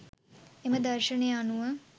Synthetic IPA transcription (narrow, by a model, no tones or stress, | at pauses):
eməd̪ɐrʃənejanuʋə